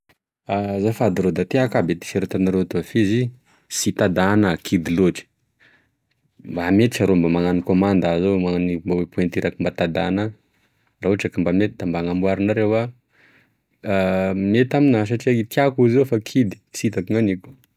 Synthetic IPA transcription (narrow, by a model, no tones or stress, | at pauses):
azafad̪iɾod̪at̪iakabet̪i̥feɾet̪anaɾeat̪oafizi | sit̪ad̪anakʰid̪iloʈ͡ʂə̥ | mbamet̪iʈ͡ʂaɾombamaŋanikomand̪azomaanimbawepuent̪iɾakimbat̪ad̪ana | rauʈ͡ʂakimbamet̪id̪̥ambaŋambuaɾinaɾewa | met̪aminas̬aʈ͡ʂiait̪iakuzefakʰid̪i̥sit̪akiŋaniku̥